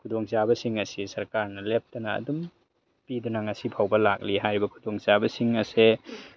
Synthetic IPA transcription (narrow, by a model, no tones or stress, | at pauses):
kʰudɔŋzabɐsiŋɐsisɐɾkaɾnɐlep̚tɐnɐɐ̰dum | pidunaŋɐsipʰawbɐlak̚liɦajɾibɐkʰudɔŋzabɐsiŋɐse